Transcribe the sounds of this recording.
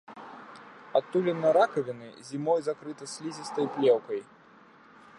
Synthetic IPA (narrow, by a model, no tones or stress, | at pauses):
at̪ːulʲɛnːɐɾakɐvʲinɨ̰zʲimɔjzakɾɨt̪ɐsʲlʲizʲist̪ɐjplʲɛwkɐj